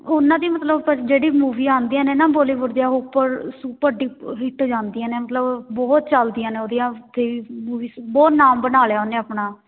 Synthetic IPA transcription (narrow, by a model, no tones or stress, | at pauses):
ʊnːãːd̪iamət̪ləbəd͡ʒeːɽiːmuːʋiːãːnd̪iːãːneːnãːboːliːʋəɾd̪ijaːɦoːpəɾsuːpəɾɖiːɦɪʈd͡ʒãːnd̪iːjãːneːmət̪ləbbɔːt̪̚t͡ʃəld̪ijãːneːoːd̪ijãːt̪ʰeːʋiːmuːʋiːsbɔːt̪naːmbənaːleaːʊnːeːapɳaː